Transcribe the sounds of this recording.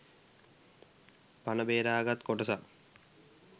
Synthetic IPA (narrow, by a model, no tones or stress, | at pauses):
pɐnɐbeːɾaːɡɐt̪koʈɐsa